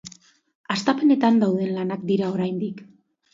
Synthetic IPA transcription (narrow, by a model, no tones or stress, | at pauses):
ast̪ape̞ne̞t̪and̪awðe̞nlanak̚d̪iɾao̞ɾajnd̪ik